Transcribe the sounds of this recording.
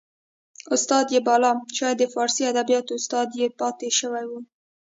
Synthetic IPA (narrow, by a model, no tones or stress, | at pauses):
ʊst̪ɑd̪jebɑlɑmʃɑjɑd̪əfɑɾsiad̪abijɑt̪oʊst̪ɑd̪jepɑt̪eʃəwajwu